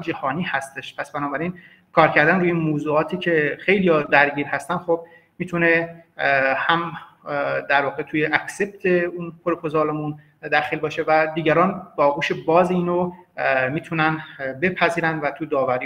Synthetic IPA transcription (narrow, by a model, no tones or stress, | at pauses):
d͡ʒæhɒːniːhæst̪eʃpʰæsb̥ænɒːbæɾin | kʰɒːɾcʰæɾd̪ænɾuːjeinmoːzuːɒːt̪ʰiːcʰe̞xe̞jlijɒd̪æɾɟiːɾhæst̪ænxob̚ | miːt̪ʰune̞ | hæm | d̪æɾvɒːɣet̪ʰuːjeʔækse̞p̚t̪ʰeunpʰoɾepʰozɑːlemun | d̪æxiːlbɒːʃe̞væd̪iːɟæɾɒːnbɒːɡuːʃebɒːzeiːnomiːt̪ʰunænbe̞pʰæziːɾænd̪væt̪ʰud̪ɒːvæɾiː